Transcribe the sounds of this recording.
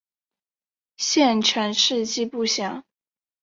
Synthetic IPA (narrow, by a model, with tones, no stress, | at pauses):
ɕjɛ˥˩nʈ͡ʂʰɛ˧˥nʂɻ̩˥˧t͡ɕi˥˧pu˥˩ɕjɑ˨˩˦ŋ